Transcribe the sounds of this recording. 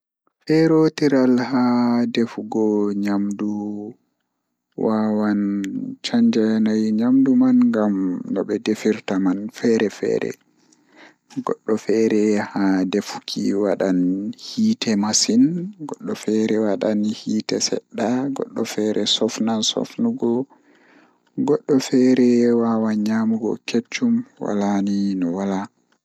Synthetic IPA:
fɛɾotiɾalhadefuɡɔɲamdu | wawant͡ʃaɲd͡ʒanajɲamdumanŋɡamɗɔ̰ɓɛdefiɾtamanfɛɾɛfɛ̰ːɾɛ̰ | ɡɔɗːɔfɛɾɛhadefu̥kʰḭwaɗanhiːtɛmasinɡɔɗːɔfɛɾɛwaɗanhiːtɛsɛ̰ɗːaɡɔɗːɔfɛɾʔɛsɔfnansɔ̰fnuɡɔ | ɡɔɗːɔfɛɾɛwawaɲamuɡɔ̰ket͡ʃːumwa̰laninɔwala

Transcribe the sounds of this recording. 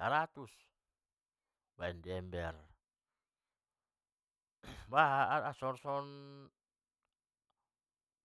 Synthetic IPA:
aɾat̪us | wandiɛmbɛr | waɦaasɔrsɔn

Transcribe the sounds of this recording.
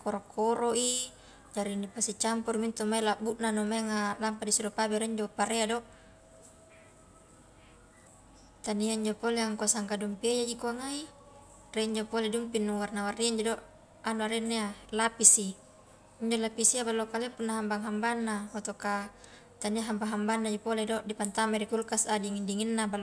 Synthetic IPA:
koɾokoɾoʔi | d͡ʒaɾinipasit͡ʃampurmint̪umailabuʔnanumaŋalampadisuɾopabeɾeɲd͡ʒopaɾeadoʔ | t̪aniaiɲd͡ʒopoleaŋkuasaŋkadumpiajad͡ʒikoaŋai | reiɲd͡ʒopoledumpinːuwarnawarːiiɲd͡ʒodoʔ | anuaɾenːealapisi | iɲd͡ʒolapisiabalːokalepunːaɦambaŋɦambanːaot̪oka | t̪aniaɦambaɦambanːad͡ʒipoledoʔdipant̪amaɾikulkasadiŋindiŋinːabal

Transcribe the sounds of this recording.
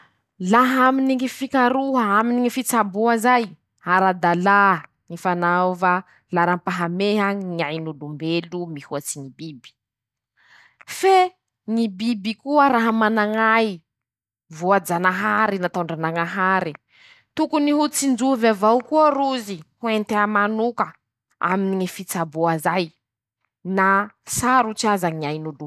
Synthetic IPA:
laɦaminiŋifikaɾuɦəaminiŋifit͡sabuazaj | aɾad̪ala | nifanava | laɾampaɦameɦaɲiajnulumbelumihuat͡sinibibi̥ | fe | ŋibibikuəɾaɦamanaŋaji | vuad͡zanaɦaɾinat̪awɳɖ͡ʐanaŋaɦaɾi | t̪ukuniɦut͡sind͡zuvavawkuəɾuzihuent̪eamanukə | a̰miniŋifit͡sabuazaj | nasaɾut͡siazaɲiajnulu

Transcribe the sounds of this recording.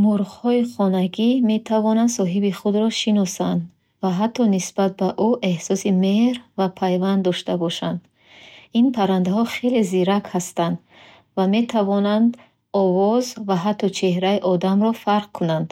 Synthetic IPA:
muɾχhɔiχɔnaɡime̞t̪ʰavɔnand̪sɔɦibiχud̪ɾɔʃinɔsand̪ | vaɦat̪ʰːɔnisbat̪̚baʔuʔe̞hsɔsime̞ɾvapʰajvand̪ːɔʃt̪abɔʃand̪ | inpʰaɾand̪aɦɔχe̞le̞ziɾakhast̪and̪ | vame̞t̪ʰavɔnand̪ | ɔvɔzvaɦat̪ʰːɔt͡ʃʰe̞hɾaiʔɔd̪amɾɔfaɾq̚kʰunand̪̥

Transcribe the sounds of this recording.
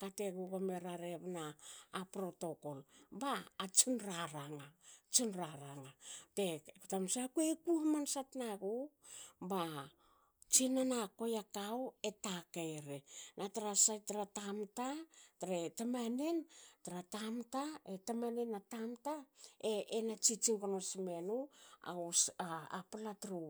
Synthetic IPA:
kate̞ɡuɡameɾaɾeβnaːpɾo̞to̞ko̞lbaːt͡ʃinɾaɾaŋat͡ʃinɾaɾaŋatekutamsakuekuhamansatnaɡo | ba | t͡ʃinanako̞jakawe̞takejɾenʔataɾasajtaɾatamtataɾetamanentaɾatamtaetamanenatamtaeenat͡ʃit͡ʃiŋkonosme̞nua̰usaapalatɾu

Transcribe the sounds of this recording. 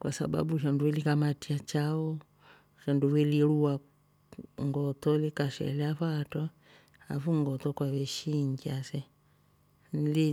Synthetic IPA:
kwasa̰ba̰buʃ̬anduwɛlikamatiat͡ʃaɔ | ʃanduwɛlilua | ŋɡɔtɔlikaʃɛ̰lɛaβatɔ | a̰fuŋɡɔtɔkwaβɛʃiŋɡiasɛ | nli

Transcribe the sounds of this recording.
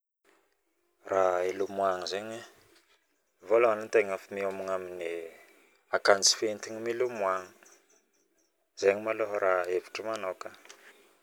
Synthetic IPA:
raelumwaŋəzeɲe | voloanant̪eŋafimiomiŋamini | akant͡si̥fent̪iɲimilumwaŋə | z̥eɲimaloɦɾaevi̥ʈ͡ʂəmanaka

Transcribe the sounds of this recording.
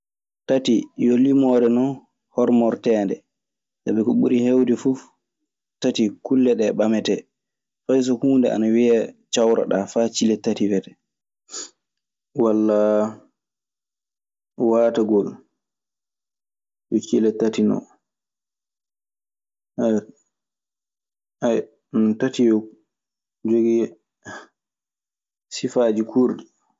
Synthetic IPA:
tatijolimɔɾɛnɔn | hɔɾmɔɾtɛːndɛ̰ | saɓɛkɔɓuɾihewdɛfu | tatikulːɛɗɛɓamɛtɛ | fajs̬ɔhuːndɛ̰ʔa̰nawiat͡ʃawɾa̰ɗafat͡ʃilɛtatiwɛtɛ | walːa | waːtaɡɔl | jɔt͡ʃilɛtːatinɔ̰ | a | ntatijɔ | d͡ʒoɡi | sifad͡ʒikʰuɾdi

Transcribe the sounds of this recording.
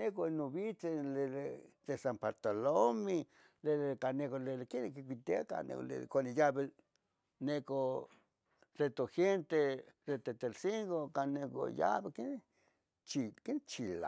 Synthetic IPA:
ekonoβit͡seleðed̪esampaɾt̪alomi | leekanekoleekenkikʷit̪eaka̰nḛklḛkʷanejaβe | neko | d̥et̪oxent̪edet̪et̪elsiŋɡokaneko̰ja̰βeken | t͡ʃikent͡ʃila̰

